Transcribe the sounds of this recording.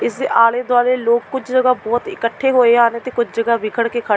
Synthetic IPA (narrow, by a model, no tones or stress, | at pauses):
ɪsd̪eʔaːleːd̪waːleːloːkkʊt͡ʃʰd͡ʒəɡaːbɔːt̪ɪkəʈʰːeːɦoːeaːneːt̪eːkʊt͡ʃʰd͡ʒəɡaːʋɪkʰəɽkeːkʰə